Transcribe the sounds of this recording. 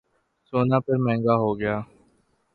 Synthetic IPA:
soːnaːpəɾmɛ̃ːŋɡaːɦoːɡəjaː

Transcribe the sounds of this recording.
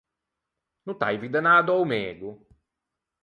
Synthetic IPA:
nũt̪ajvid̪ɐnad̪uawmeːɡʊ

